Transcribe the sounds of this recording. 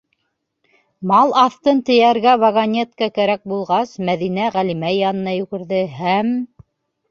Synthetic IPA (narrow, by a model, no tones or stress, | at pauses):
mɑlˠɑθt̪ɤnt̪ɘ̆jæɾɡævɐɡanʲet̪̚kɑkæɾæk̚bulˠʁɑsmæðinæʁælimæjːɑnɤ̆nɑjʉɣɘ̆ɾðɘhæm